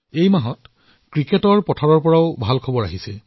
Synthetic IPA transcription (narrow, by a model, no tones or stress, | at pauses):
ejmaɦɔt | kɹiketɔɹpɔtʰaɹɔɹpɔɹaʊbʱalkʰɔbɔɹaɦisɛ